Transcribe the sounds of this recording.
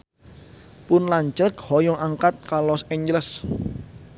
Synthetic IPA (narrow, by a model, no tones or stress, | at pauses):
pʊnlaɲt͡ʃəkhɔjɔʔaŋkat̪̚kalɔsɛɲd͡ʒləs